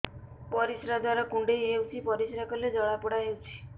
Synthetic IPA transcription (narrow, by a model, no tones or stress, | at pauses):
pɔɾisɾadaɾɔkuɳɖejɦewt͡ʃʰipɔɾisɾakɔled͡ʒɔɭapɔɽaɦewt͡ʃʰi̥